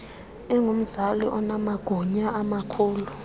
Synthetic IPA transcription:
ɛŋom̩zalḭʔɔnamaɡ̥ʱuɲaamakʰuːlu

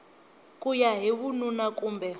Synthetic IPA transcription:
kʼujaɦiβununakʼuːmbɛ

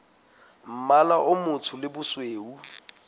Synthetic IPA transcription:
m̩malaʔʊmʊtʰʊlɪbʊsweːu

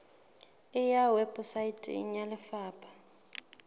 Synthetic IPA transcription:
ɪjawɛbʼɔsaitʼḭɲalɪfaːpʰʼḁ

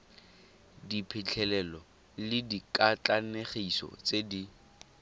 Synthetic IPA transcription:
dipʰɪt͡ɬʰɛlɛlɔ | lɪdikʼat͡ɬʼaneχisɔ̰t͡sedi

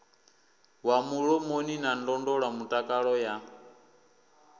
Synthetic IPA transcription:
wamuɺɔmoninandɔndɔɺamutʼakʼaɺɔja

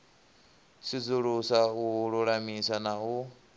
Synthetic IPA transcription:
sid͡zuɺusauɺuɺamisanau

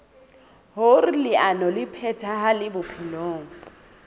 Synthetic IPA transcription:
hʊrɪlɪʔanɔlɪpʰɛtʰaɦalɪbʊpʰiloːŋ̩

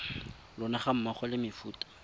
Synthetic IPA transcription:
lʊnaχam̩maχɔlɪmɪfuːtʼḁ

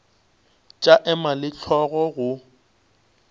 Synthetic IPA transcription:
t͡ʃʼaʔɛmalɪt͡ɬʰɔɣɔɣʊ

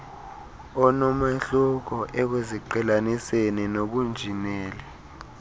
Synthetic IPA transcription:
ɔnɔmaɬuk̬ɔʔɛk̬eziǃɛlanisenɛnok̬und͡ʒʱinɛːlɛ

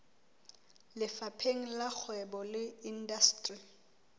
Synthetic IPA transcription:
lɪfapʰeŋ̩lak͡xʰwɛbɔlɪindastʼri

